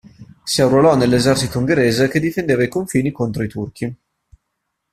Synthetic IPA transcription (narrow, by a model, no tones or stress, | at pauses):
siawɾolɔnelːezɛrt͡ʃit̪ouŋɡeɾeːzeked̪ifend̪eːvaikoɱfiːnikont̪ɾoit̪urkʰi